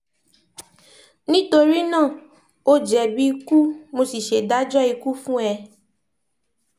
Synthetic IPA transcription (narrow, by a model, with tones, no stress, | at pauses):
nĩ˦to˧ɾi˦nãː˦˨ | o˦d͡ʒɛ˨bi˦i˧ku˦mo˧si˨ʃe˨da˦d͡ʒɔ˦i˧ku˦fũ˦ɛ˧